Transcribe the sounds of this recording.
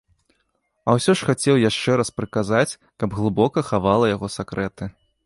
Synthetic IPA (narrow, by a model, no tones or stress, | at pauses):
ɐwsʲɔʂxat͡sʲɛwjaʂt͡ʂɛɾaspɾɨkazat͡sʲ | kɐbɣlˠɨbɔkɐxavalˠɐjaɣɔsakɾʔɛt̪ɨ